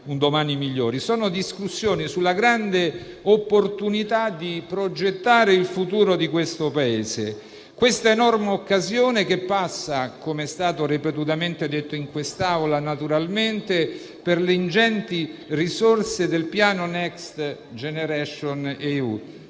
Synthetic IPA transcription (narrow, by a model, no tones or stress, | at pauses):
und̪omaːnimiʎːoːɾisɔːnod̪iskusːjoːnisulːaɡɾand̪e | opːort̪unit̪ad̪ipɾod͡ʒet̪ːaːɾeilfut̪uːɾod̪ikwest̪opaeːzḛ | kwest̪aenɔrmeokːazjoːnekepːasːakomeɛst̪aːt̪oɾipet̪ut̪ament̪ed̪et̪ːoiŋkwest̪awlanat̪uɾalment̪e | perleind͡ʒɛnt̪irisorsed̪elpjaːnonɛkst̪ | d͡ʒeneɾɛʃoneṵ